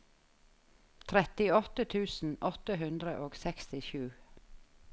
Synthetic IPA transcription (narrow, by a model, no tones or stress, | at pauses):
t̪ʰɾɛt̪ɪɔt̪ət̪ʰʉːsn̩ʔɔt̪əhʉnd̪ɾəʔoːɡsɛkst̪ɪʃʉː